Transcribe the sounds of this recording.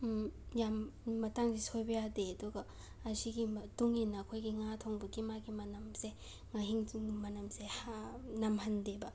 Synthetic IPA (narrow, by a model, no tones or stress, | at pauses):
jamːɐtaŋsisʰojbɐjadeɐduɡa | asiɡituŋinakʰojɡiŋatʰɔŋbukimaɡimɐnɐmse | ŋaɦiŋŋmɐnɐmsehanɐmhɐndeba